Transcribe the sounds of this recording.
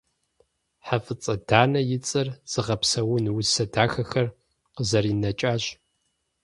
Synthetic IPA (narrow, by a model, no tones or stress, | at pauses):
ħafɨt͡sʼɐdaːnɐjɪt͡sʼɨrz̥ɨʁɐpsɐwʊnwʊsɐdʰaːxɐxɐr | qəzɐriːnɐt͡ʃʼaːɕ